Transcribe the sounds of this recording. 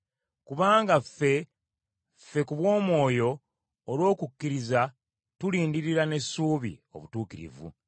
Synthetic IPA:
kuβaːŋɡafe̞ | fe̞kuβwo̞ːmwo̞ːjo̞ː | lwo̞ːkukːiɾiza | tuliːndiɾiɾane̞suːβḭo̞̰βutuːkiɾḭvṵ

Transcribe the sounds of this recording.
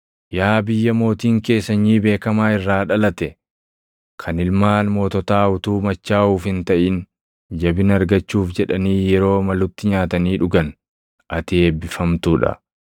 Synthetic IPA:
jaːbɪjːɐmo̞ːt̪iːŋke̞ːsːɐɲːiːbe̞ːkɐmaːɪrːaːᶑɐlɐt̪ɛ | kʰɐnɪlmaːnmo̞ːt̪ɔt̪aːʊt̪uːmɐt͡ʃːaːʔuːfhɪnt̪ɐʔɪn | d͡ʒɐbɪnɐɾɡɐt͡ʃːuːfd͡ʒɛᶑɐniːjɛɾo̞ːmɐlʊt̪ːɪɲaːt̪ɐniːᶑʊɡɐn | ʔɐt̪ɪeːbɪfɐmt̪uːᶑɐ̰

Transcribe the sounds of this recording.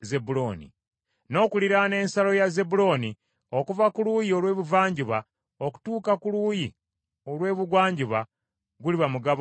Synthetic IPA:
zebuloːnḭ | no̞ːkuliɾane̞ːnsalo̞jazebulo̞ːni | o̞kuvakuluːjio̞lwe̞ːβuvaːɲɟiβa | oku̥tuːkakuluːji | o̞lwe̞ːβuɡwaːɲɟiβa | ɡuliβamuɡaβ

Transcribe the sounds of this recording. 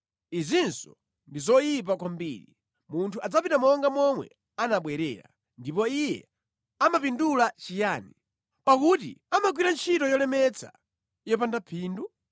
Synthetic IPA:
izinsɔ̥ | ndizɔjip̬akwambiːɾi | muntʰuʔad͡zapitamɔŋɡamɔmwɛ̰ | anaɓwɛɾɛ̰ːɾa̰ | ndipɔijɛ̰ | amapindulat͡ʃijaːni | pakutḭamaɡ̬wiɾant͡ʃʰitɔjɔlɛmɛt͡sʰḁ̰ | jɔpandapʰiːndu

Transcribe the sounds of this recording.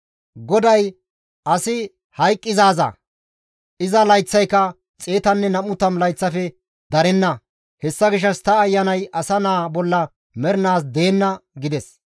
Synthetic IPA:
ɡɔd̪ɐj | ʔɐsɪ | hɐjkʼːɪzaːzɐ̰ | ʔɪzɐlɐjt͡sːɐjkːɐ | t͡sʼe̞ːt̪ɐnːɛnɐmʊt̪ːɐmlɐjt͡sːɐfɛ | d̪ɐɾɛnːɐ | hɛsːɐɡɪʃ̬ːɐst̪ɐːjːɐnɐjɐsɐnaːbɔlːɐ | mɛɾɪnaːs̬d̪e̞ːnːɐɡɪd̪ɛs

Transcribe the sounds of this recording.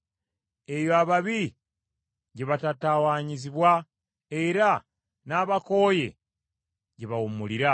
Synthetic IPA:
e̞joaβaβi | ɟeβatatawaɲiziβwa | eɾa | naːβako̞ːje̞̰ | ɟeβaumuliɾa

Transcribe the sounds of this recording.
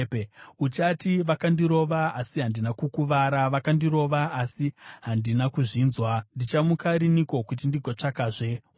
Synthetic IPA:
peut͡ʃatiʋakandiɾo̞ʋaasiɦandinakukuʋaɾaʋakandiɾo̞ʋaasiɦandinakuʐiːnzwandit͡ʃamukaɾinikokut̬indiɡʱot͡ʂakaʐe̞

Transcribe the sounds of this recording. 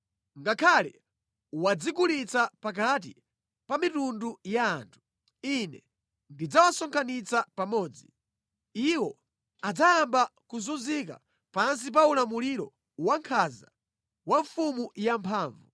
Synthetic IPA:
ŋɡakʰalɛ̰ | wad͡zik̬ulit͡sapak̬at̬i | pamitundujaːntʰu̥ | inɛ | ndid͡zawasɔŋkʰanit͡sapamɔːd͡zi | iwɔ | ad͡zajambakuzunzika̰ | pans̬ip̬aulamuliɾɔ | waŋkʰaza | waɱfumujampʰaːɱvu

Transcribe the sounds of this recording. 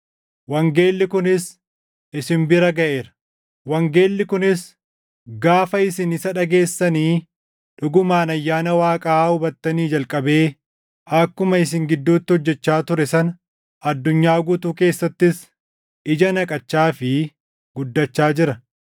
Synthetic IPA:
wɐŋɡeːlːɪkʊnɪs | ɪsɪmbɪɾɐɡɐʔe̞ːɾɐ̥ | wɐŋɡe̞ːlːɪkʊnɪs | ɡaːfɐɪsɪnɪsɐᶑɐɡe̞ːsːɐniː | ᶑʊɡʊmaːnɐjːaːnɐwaːkʼaːhʊbɐt̪ːɐniːd͡ʒɐlkʼɐbe̞ː | ɐkːʊmɐɪs̬ɪŋɡɪd̪ːuːt̪ːɪhɔd͡ʒːɛt͡ʃːaːt̪ʊɾɛsɐn | ɐd̪ːʊɲːaːɡʊt̪uːke̞ːsːɐt̪ːɪs | ɪd͡ʒɐnɐkʼɐt͡ʃːaːfɪ | ɡʊd̪ːɐt͡ʃːaːd͡ʒɪɾɐ

